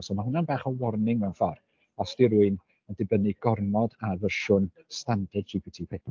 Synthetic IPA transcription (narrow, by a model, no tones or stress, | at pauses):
sɔmahʊnanbaːχɔwɔrnɪŋmɛwnfɔr | ɔsd̥iɾuɨn | ɔdɪbənɨɡɔrmɔdavəʃʊn | standɛdd͡ʒipʰitʰiːpʰepʰ